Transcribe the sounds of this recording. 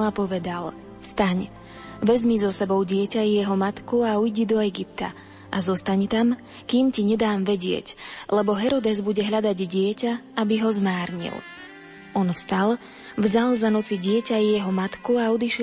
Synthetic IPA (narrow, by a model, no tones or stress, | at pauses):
lapɔʋɛd̪al | fst̪aɲ | ʋɛzmizɔsɛbɔʊɟɪɛcajɛɦɔmat̪kuaujɟid̪ɔɛɡip̚t̪a̰ | ʔazɔst̪aɲt̪am | kiːmciɲɛd̪aːmʋɛɟɪɛ̰clɛbɔɦɛɾɔd̪ɛzbuɟɛɦʎad̪aɟɟɪɛcaabiɦɔzmaːɾɲḭl | ɔnfst̪al | vzalzanɔt͡siɟɪɛcajɛɦɔmat̪kuaɔd̪iʃ